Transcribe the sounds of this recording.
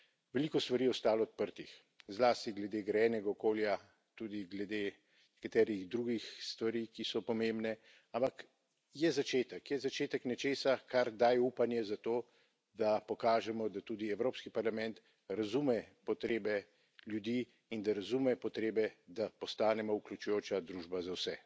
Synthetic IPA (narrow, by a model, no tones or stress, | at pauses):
ʋɛliːkɔst̪ʋaɾiːɔst̪aːlɔːt̪̚pəɾt̪ix | zlaːst̪iɡlɛd̪eːɡɾɛjɛːnɛɡaɔkoːlja | t̪uːd̪iɡlɛd̪eː | nɛkat̪ɛːɾiɣd̪ɾuːɡixst̪ʋaɾiːkisɔpɔmembnɛ | ampak | jɛzat͡ʃeːt̪ɛkjɛzat͡ʃeːt̪əknɛt͡ʃeːsakaɾd̪aːjɛuːpanjɛzat̪oː | d̪apɔkaːʒɛmɔd̪at̪uːd̪iɛwɾoːpskipaɾlamɛ̃nt̪ | ɾazumɛpɔt̪ɾeːbɛ | ljud̪iː | ind̪aɾazumɛpɔt̪ɾeːbɛd̪apɔst̪aːnɛmɔukljut͡ʃujoːt͡ʃad̪ɾuːʒbazawsɛ